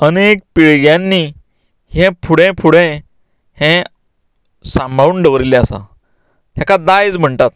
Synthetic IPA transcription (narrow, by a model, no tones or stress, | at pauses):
ənek̚piɭɡjãnːiː | hɛ̃pʰuɽɛ̃pʰuɽẽ | hɛ̃ | sambʱauːɳɖəʋəɾilɛ̃əsa̰ | ɦjakad̪ajt͡sm̤əɳt̪at̪̚